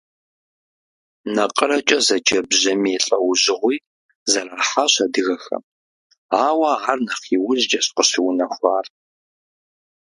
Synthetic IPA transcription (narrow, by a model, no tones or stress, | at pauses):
nɐqʼərɐt͡ʃʼɐzɐd͡ʒɐbʑɐmiɛɬʼɐwʊʑɪʁʷiː | zɐraːħaɕɐdɨɣɐxɐ̰m | aːwaarnɐχiːwʊzd͡ʒɐɕqʼəɕiwʊnɐxʷɑːr